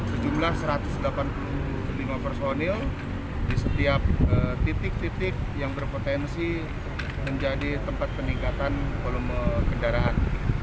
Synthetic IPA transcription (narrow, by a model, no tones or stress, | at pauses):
səd͡ʒumlahsəɾat̪ʊsdəlapanpulu | limapərsoniɪl | disət̪iap̚ət̪it̪ɪk̚t̪it̪ɪk̚jaŋbərpot̪ɛnsi | məɲd͡ʒadit̪əmpat̪̚pənikat̪ankoluməkəndaɾaʔan